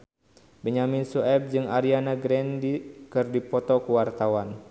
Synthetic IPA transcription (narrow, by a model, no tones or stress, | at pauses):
bəɲaminsuɛp̚d͡ʒɨŋaɾianaɡɾɛndikɨrdipɔt̪ɔkuwart̪awan